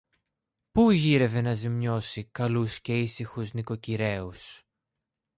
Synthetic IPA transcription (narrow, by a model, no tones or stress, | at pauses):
puʝiɾe̞ve̞nɐzimɲo̞sikɐlusce̞isixuzniko̞ciɾe̞us